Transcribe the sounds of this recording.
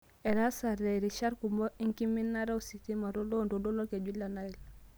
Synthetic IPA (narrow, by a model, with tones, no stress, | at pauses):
e˨ɾa˦saɾe˨ɾi˨ʃa˦ɾku˨mbo˦i˦ŋki˦mi˦nːa˦ɾa˦u˦si˨ti˦ma˨ɾo˦lo˦ndo˨do˦lo˦ke˨d͡ʒi˦lːa˨na˦i˨l